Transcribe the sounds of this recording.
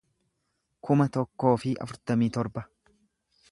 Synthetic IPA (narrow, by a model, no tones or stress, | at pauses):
kʊmɐt̪ɔkːo̞ːfɪʔɐ̰fʊɾt̪ɐmiːt̪ɔɾbɐ